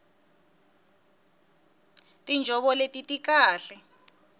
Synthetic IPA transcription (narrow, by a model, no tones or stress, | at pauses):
tʼind͡ʒʱɔɓɔletʼitʼik̬aːɬɛ